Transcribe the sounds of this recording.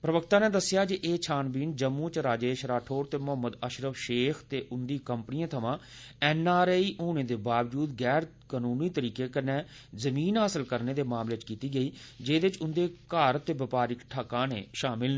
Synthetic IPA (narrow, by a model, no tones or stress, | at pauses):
pɾəʋəkt̪ãːnẽːd̪əsːɪjaːd͡ʒeʔeːt͡ʃʰaːnbiːnd͡ʒəmːuːt͡ʃɾaːd͡ʒeːʃɾaːʈʰoːɾt̪eːmʊɦəmːəd̪əʃɾəʋʃeːkʰt̪eːʔʊnd̪iːkəmpnɪjãːt̪ʰəmãː | ɛːnaːɾeːiːʔoːneːd̪eːbaːʋd͡ʒuːd̪ɡɛːɾkaːnuːniːt̪əɾiːkeːkənẽː | zəmiːnɦaːsəlkəɾneːd̪eːmaːmleːt͡ʃkiːt̪iːɡəiːd͡ʒeːd̪ɪt͡ʃʊnd̪eːkaːɾt̪ːeːbɪpaːɾɪkʈʰaːkãːnḛːʃaːmɪl